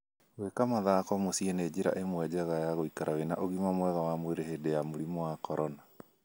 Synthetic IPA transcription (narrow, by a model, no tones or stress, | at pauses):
wekamaðakɔmosiɛned͡ʑiɾa̰ʔemwɛd͡ʑɛɣajaɣoikaɾawenaʔoɣimamwɛɣawamweɾeɦedejamoɾimɔwakɔɾɔna